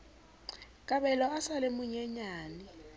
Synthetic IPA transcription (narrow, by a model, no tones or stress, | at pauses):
kʼaɓɛlɔasalemuɲɛɲaːni